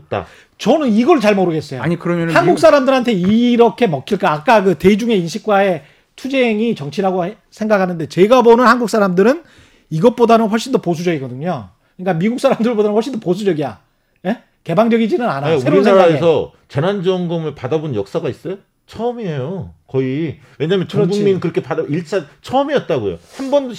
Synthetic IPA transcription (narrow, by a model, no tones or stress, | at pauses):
t͈a̰ | t͡ɕʌnɯniɡʌɭt͡ɕaɭmoɾɯɡe̞s͈ʌjoaɲikɯɾʌmʌnhanɡuk̚s͈aɾamdɯɾɦantʰe̞iɾʌkʰe̞mʌkʰiɭk͈aːk͈akɯte̞id͡ʑuŋe̞inɕʰik̚k͈wae̞ | tʰud͡ʑeŋit͡ɕʌŋt͡ɕʰiɾaɡo | sʰe̞ŋɡakʰanɯnde̞t͡ɕe̞ɡabonɯnhanɡuk̚s͈aɾamdɯɾɯn | iɡʌt̚p͈odanɯnɸwʌɭɕ͈indopos̬ʰud͡ʑʌɡiɡʌdɯɲo | kɯɲik͈amiɡuk̚s͈aɾamdɯɭpodanɯnɸwʌɭɕ͈indoposʰud͡ʑʌɡija̰ | je | ke̞baŋd͡ʑʌɡid͡ʑinɯnanasueɾoɾinsʰeaɾaesʰʌ | t͡ɕe̞nand͡ʑʌŋɡʌmɯɭpadabonɲjʌk̚s͈aɡais͈ʌjo | t͡ɕʰʌmiejokʌi | we̞ɲaːmjʌnt͡ɕoʌbuŋminɯnkɯɾʌkʰepadiɭt͡ɕʰat͡ɕʰʌːmiʌt̚t͈aɡojo̰hambʌndo